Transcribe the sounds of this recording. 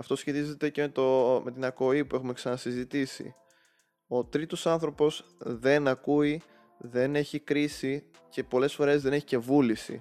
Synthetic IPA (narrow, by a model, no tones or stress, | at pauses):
ɐft̪o̞sçe̞t̪ize̞t̪e̞ce̞met̪ome̞t̪inɐko̞ipue̞xume̞ksɐnɐsizit̪isḭ | o̞t̪ɾit̪o̞sɐnθɾo̞po̞z̥ | ðe̞nɐkui | ðe̞ne̞çikɾisi | ce̞po̞le̞sfo̞ɾe̞zðe̞ne̞çice̞vulisḭ